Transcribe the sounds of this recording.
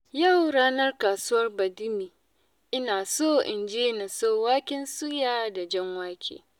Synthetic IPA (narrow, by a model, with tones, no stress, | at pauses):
ja˦˨wɽaː˦nɐ˦rkaː˨su˦wɐ˦rbɐ˨dɪ˦miː˨ | ʔɪ˦naː˨soː˦˨ʔɪ˨nd͡ʒeː˦na˨soː˦˨waː˦kʲɪ˦nsu˦jaː˦˨da˨d͡ʒɛ˦ŋwaː˦kʲʰḛː˨